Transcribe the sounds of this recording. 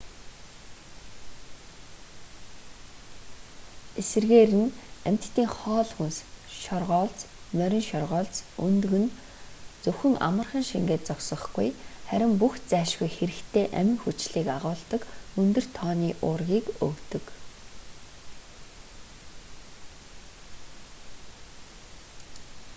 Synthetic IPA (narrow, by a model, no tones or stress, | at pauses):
esɘ̆rɣeːɾɘ̆næm̥ʲt̪t̪ʰːiːŋχɔːɮxunsʃɔrʁɔːɮt͡s | mœɾʲɪ̆nʃɔrʁɔːɮt͡sɵnt̪ɵ̆ɣɘ̆n | t͡sɵxɵ̆ŋa̰mə̆rχə̆nʃiŋɡeːt̪t͡sɔksɞ̆χɡṵjχæɾʲɪ̆mpuxt͡sæːʃɡujxeɾɘ̆kt̪ʰeːʔæ̰mʲɪ̆ŋxut͡ɕɮiːkaʁʊːɮt̪ə̆kɵnt̪ɵ̆r̥t̪ʰːɔːniːʔʊːrɣʲiːkɵwt̪ɵ̆k